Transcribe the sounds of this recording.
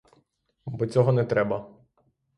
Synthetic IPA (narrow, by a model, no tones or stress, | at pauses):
bɔt͡sʲɔɦɔnɛt̪ɾɛbɐ